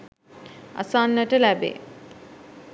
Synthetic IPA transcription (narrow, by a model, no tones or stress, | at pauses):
a̰sanːəʈəlæbḛː